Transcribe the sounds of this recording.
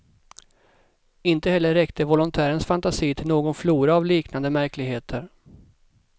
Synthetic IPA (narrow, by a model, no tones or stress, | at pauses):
ɪnt̪əhɛlːəɾːɛkt̪ʰəvɔlʊnt̪ʰæːɾənsfant̪asiːt̪ʰɪlnoːɡɔnfluːɾaːvliːknand̪əmæɾklɪɡheːt̪ʰəɾ